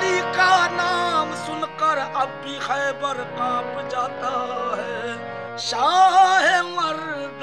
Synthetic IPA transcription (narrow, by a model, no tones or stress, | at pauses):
ikanaːmsʊnkəɾɐbkixɛːbəɾkaːpd͡ʒaːt̪aɦɛ | ʃaːɦɛmɐɾ | d̪